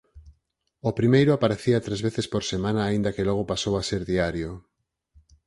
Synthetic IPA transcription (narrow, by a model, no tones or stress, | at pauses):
opɾimejɾʊapaɾeθiat̪ɾezβeθespoɾsemãnaːind̪ɐkelɔɣopasowaseɾðiaɾjo